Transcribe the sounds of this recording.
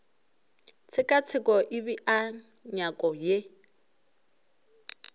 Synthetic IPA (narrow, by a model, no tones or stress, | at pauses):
t͡sʰɪkʼat͡sʰɪkʼɔʔiβiʔa | ɲakʼɔje